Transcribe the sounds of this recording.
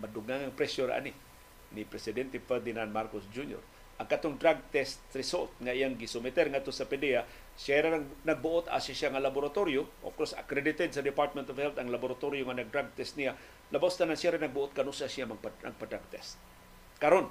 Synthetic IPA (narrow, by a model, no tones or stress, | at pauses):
madʊɡaŋaŋpɾɛsjoɾa̰ʔa̰ni | nipɾɛsɪd̪ɛnt̪ɛfɛɾd̪ɪnanmaɾkosd͡ʒunjo̰ɾ | ʔaŋkat̪oŋd̪ɾaɡ̚t̪ɛst̪ɾɪsolt̪̚ŋaʔijaŋɡisʊmɪt̪ɛɾŋat̪ːosapɛdɛa | sjaɾenaɡ̚bʊʔot̪a̰sasjaŋalabʊɾat̪oɾjoʔo̰fkoɹsa̰kɾɛdɪt̪ɛd̪sad̪ɪpaɾt̪̚mɛnt̪ɔvhɛlt̪aŋlaboɾat̪oɾjoŋanaɡ̚d̪ɾaɡ̚t̪ɛst̪̚nija | labawst̪anansjaɾenaɡ̚bʊʔʊt̪̚kanusasiamaɡpna̰ɡ̚pad̪ɾaɡ̚t̪ɛst̪̚ | kaɾon